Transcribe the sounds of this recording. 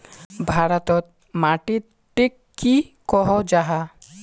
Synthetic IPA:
bʱaɾɔt̪ɔt̪̚ | maʈit̪ | ʈːikːikɔɦɔd͡ʒaɦa

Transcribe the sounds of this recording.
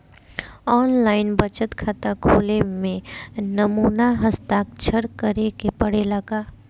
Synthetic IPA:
ɔːnlaːɪnbət͡ʃət̪kʰat̪akʰoːlemẽnəmuːnaɦəst̪aːk̚t͡ʃʰəɾkəɾekepəɽeləɡaː

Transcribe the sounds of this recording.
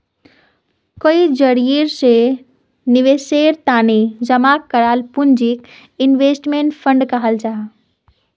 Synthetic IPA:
koid͡ʒəɾiɾse | niʋeseɾt̪aned͡ʒəmakːəɾalpund͡ʒik | inʋesʈmeɳʈpʰə̃ɳɖkəɦəld͡ʒaɦ

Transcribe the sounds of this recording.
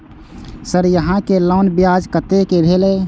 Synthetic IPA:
səɾjəɦãkelɔʊnbijaːd͡ʒkət̪ekebʱeːleː

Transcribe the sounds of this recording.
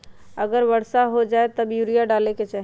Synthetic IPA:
əɡəɾbəɽsaɦod͡ʒaet̪əbjuɾijaɖaleket͡ʃaɦ

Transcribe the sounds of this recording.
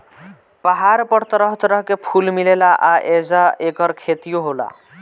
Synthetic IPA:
paɦaɾpəɽt̪ɾəɦt̪ɾʌɦkepʰulmilelaʔaʔed͡zaekəɾkʰet̪ijoɦola̰

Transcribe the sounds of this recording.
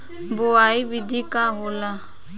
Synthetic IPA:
boaːibɪd̪ʱiːkaːɦoːlaː

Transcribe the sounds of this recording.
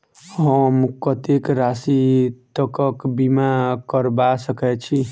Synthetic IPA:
ɦəmkət̪ekɾasit̪əkəkbimakəɾbasəkɛt͡ʃʰi

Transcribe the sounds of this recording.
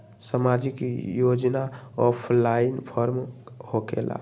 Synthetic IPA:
səmad͡ʒikjod͡ʒnaɔpʰlainpʰəɾmhoɡḛla̰

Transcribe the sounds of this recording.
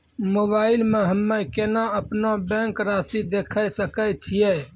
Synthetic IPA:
moβaɪlmeɦəmːekenaəpnobɛ̃ŋkɾasid̪ekʰəjsəkət͡ʃʰijɛ

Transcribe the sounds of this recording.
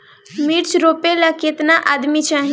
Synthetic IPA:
miɾt͡ʃɾopeləket̪naʔad̪mit͡ʃʰaɦi

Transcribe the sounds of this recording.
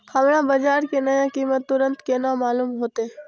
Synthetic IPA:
hɐmɽãːbɐd͡ʒaːɾkenəjãkiːmət̪ːʊɾə̃nt̪keːnãmaːluːmɦoːt̪e

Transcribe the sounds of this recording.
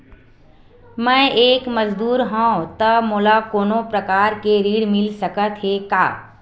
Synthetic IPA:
mɛ̃ːʔeːkmɐd͡ʒd̪uːɾɦõːt̪ɐmoːlakoːnõpɾɐkaːɾkeɾiːɽmɪlsɐkət̪ɦekaː

